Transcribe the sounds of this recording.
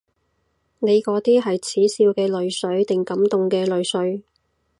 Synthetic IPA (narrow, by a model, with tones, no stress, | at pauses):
ne˨˧jkɔː˨˥t̪iː˥ɦɐ˨jt͡sʰiː˨˥siː˧wkɛː˧lɵ˨ɥsɵ˨˥ɥt̪ɪ˨ŋkɐ˨˥mt̪ʊ˨ŋkɛː˧lɵ˨ɥsɵ˨˥ɥ